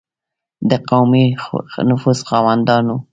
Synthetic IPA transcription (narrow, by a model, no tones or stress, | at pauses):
d̪əqawminʊfuzxɑwand̪ɑnu